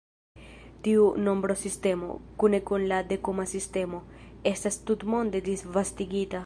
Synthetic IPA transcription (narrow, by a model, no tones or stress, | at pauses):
t̪iunõmbɾosist̪emo̰kunekunlad̪ekomasist̪emoest̪ast̪ut̪mond̪ed̪izvast̪iɡit̪a